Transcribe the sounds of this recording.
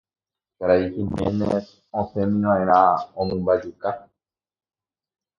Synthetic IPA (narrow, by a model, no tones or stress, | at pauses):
kaɾaihimḛ̃nẽ | õsẽmĩʋãẽɾ̃ãõmɨ̃mbad͡ʒuka